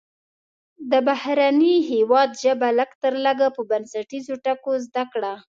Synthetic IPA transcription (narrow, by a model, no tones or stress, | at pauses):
d̪əbahɾaniɦewɑd̪ʒəbaləɡt̪əɾləɡapəbansaʈizoʈakozd̪akɽa